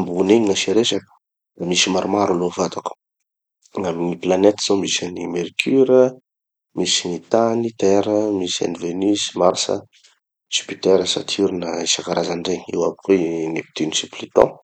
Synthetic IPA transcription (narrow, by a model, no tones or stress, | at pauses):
mbuneɲiŋaʃeɾesakə̥ | misimaɾumaɾulovat̪aku̥ | ŋaminiplanet̪z̥omisanimeɾkʰyɾə | misinit̪anit̪ɛɾəmisa̰nivenisimaɾsə̰ | sy̥pit̪ɛɾəsa̰t̪ʰuɾinəisakaɾʔazaɳɖ͡ʐeɲiwapukwenepi̥t̪inisiplit̪ɔ̰̃